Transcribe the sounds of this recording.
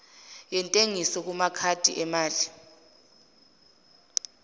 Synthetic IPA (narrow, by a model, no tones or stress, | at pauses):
jɛntʼeŋisɔk̬umakʰatʼḭʔɛmaːɮi